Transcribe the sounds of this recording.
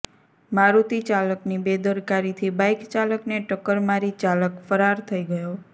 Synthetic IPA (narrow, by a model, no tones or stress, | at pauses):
maɾut̪it͡ʃaləknibed̪əɾkaɾit̪ʰibajkt͡ʃaləkneʈəkːəɾmaɾit͡ʃaləkfəɾaɾt̪ʰəiɡəjo